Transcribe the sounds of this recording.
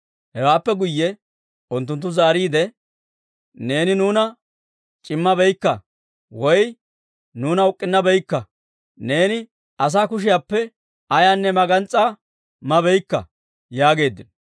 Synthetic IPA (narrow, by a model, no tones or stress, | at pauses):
hɛwaːpːɛɡʊjːɛ | ʊnt̪̬ːʊnt̪̬ːʊzaːɾiːd̪ɛ | ne̞ːnɪnuːnɐ | t͡ʃʼɪmːɐbɛjkːɐ | wɔj | nuːnɐʊkʼːɪnːɐbɛjkːɐ | ne̞ːnɪ | ɐs̬aːkʊʃ̬ɪjaːpːɛ | ɐjaːnːɛmɐɡɐnt͡sʼːaː | mɐbɛjkːɐ̰ | jaːɡe̞ːd̪ːɪnɔ